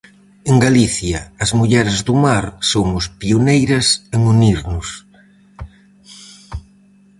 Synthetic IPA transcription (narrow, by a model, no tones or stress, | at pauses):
eŋɡaliθjɐːzmuʎɛɾɪzðumaɾsomʊspionejɾɐseŋuniɾnʊs